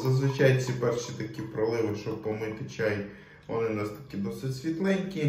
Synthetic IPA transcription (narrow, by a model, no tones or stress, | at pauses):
zɐzʋɪt͡ʃajʊtʲt͡sʲipɛrʃit̪ɐkʲipɾɔlˠɪʋɪʃt͡ʃɔpɔmɪk̪ɪt͡ʃaj | ʋɔ̰nɪnɑst̪ɐ̥kʲid̪ɔsɪtʲsʲʋʲit̪lˠɛnʲkʲi